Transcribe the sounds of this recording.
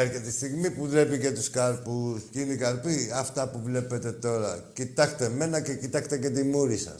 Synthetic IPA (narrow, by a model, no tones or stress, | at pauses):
eɾçet̪ist̪iɣmipuðɾe̞pice̞t̪uskɐɾpuscineikɐɾpiɐft̪ɐpuvle̞pe̞t̪e̞t̪o̞ɾɐcit̪ɐkt̪e̞me̞nɐce̞cit̪ɐkt̪ece̞t̪imuɾisɐ̰s